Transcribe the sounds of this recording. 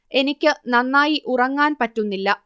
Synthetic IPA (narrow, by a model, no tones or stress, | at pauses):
e̞nikʲːɨnɐnːaːjiʔurɐŋːaːnpɐtːunːilːɐ